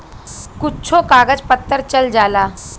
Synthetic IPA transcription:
kutːt͡ɕʰokaɡəd͡zpət̪ːəɾt͡ɕəld͡zala

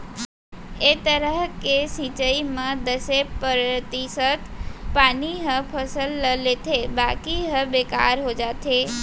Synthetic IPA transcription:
et̪əɾəɦkesĩt͡ʃəimãd̪əsepəɾt̪isət̪paniɦə̃pʰəsəlːəlet̪ʰebakiɦəbeka̰ɾɦod͡ʒat̪ʰe

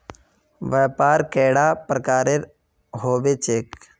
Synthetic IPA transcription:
ʋɛːpaːɾkɛːɽaːpɾəkaːɾeɾ | ɦoːʋeːt͡ʃeːk

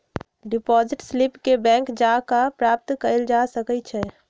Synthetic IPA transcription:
ɖipɔziʈslipkebɛ̃ŋkd͡ʒakapɾap̚t̪kəɾəld͡ʒasəkɛt͡ʃʰɛ

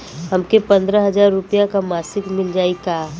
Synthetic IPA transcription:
ɦəmkepɐ̃nd̪ɾəɦɐd͡ʒaːɾːʊpjãkamaːsɪkmɪld͡ʒaːika

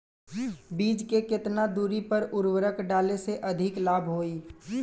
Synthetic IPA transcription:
biːd͡ʒkekɪt̪nad̪uːɾipɐɾʊɾwəɾəkɖaːleseʔɐd̪ʱɪklaːbʱɦoːiː

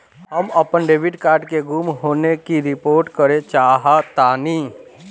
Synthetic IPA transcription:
ɦəməpənɖeːʋɪɖkaːɾɖkeɡuːmɦoːnekiɾɪpoːɾʈkəɾẽt͡ʃaːɦat̪aːniː

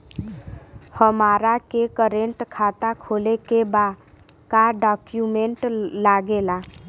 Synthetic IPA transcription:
həmaɾakekəɾeɳʈkʰat̪akʰolekeba | kaɖɔkjumeɳʈlaɡela

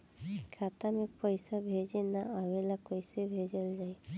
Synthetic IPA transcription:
kʰat̪amepɔjsabʱezenaʔawelakɔjsebʱezɔlzaj

